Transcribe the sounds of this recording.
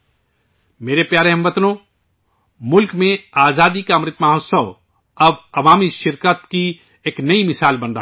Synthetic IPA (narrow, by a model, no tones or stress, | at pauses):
meːɾepjaːɾeɦɐ̃mʋɐt̪nõ | mʊlkmẽaːzaːd̪ikamɾɪt̪maːɦot̪səʋ | ɐbɐʋaːmiʃɪɾkət̪ki | eːknɐimɪsaːlbɐ̃nd̪a